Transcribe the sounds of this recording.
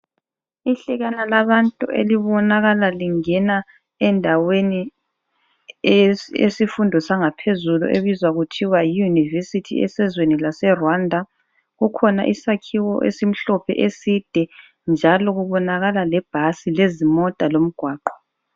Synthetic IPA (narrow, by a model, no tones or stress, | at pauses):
iɬɛɣanalaβantʼuʔḛliβɔnaɣalaliŋɛna | ɛndʱaweni | ḛsifundʱɔsaŋapʰezulṵʔeβizwaɣutʰiwajijunivesitʰḭɛ̰sɛzwenilasɛrwandʱa | ɣukʰɔna̰ʔisakʰiwɔʔḛsim̩ɬɔpʰɛ̰ʔesid̥ʱɛ | nd͡ʒʱalɔɣuβɔnaɣalalɛb̥ʱasilezimɔtʼalom̩ɡ̥ʱwaːǃɔ̥